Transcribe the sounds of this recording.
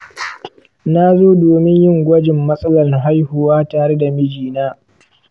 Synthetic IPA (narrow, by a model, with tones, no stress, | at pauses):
na˦zoː˦doː˨mɪ˦ɲjɪ˦ŋɡʷɐ˦d͡ʒɪ˨mːɐ˦sʼɐ˦lɐ˨rɦa˦jhʊ˨waː˦taː˨ɽe˦da˨mɪ˦d͡ʒiː˨naː˦